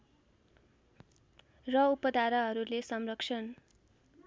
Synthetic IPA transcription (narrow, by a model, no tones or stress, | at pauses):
rʌupʌd̪aɾʌɦʌɾulesʌmrʌkʂʰʌn